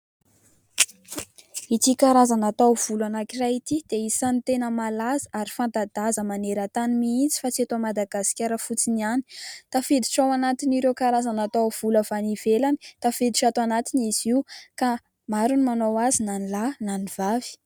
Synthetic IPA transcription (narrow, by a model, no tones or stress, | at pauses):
it̪ikaɾazanat̪awv̥ulanakirait̪id̪̥eisant̪enəmalazaʔaɾifant̪ad̪azəmaneɾət̪animiint͡si̥fat͡siat̪omad̪aɡasi̥kʲaɾəfut͡siniani̥t̪afed̪iʈ͡ʂawanat̪iniɾewkaɾazanat̪awv̥uləv̥aniv̥elani̥t̪afed̪iʈ͡ʂat̪oanat̪iniz̥iuka | maɾunimanowazinanilananiv̥avi̥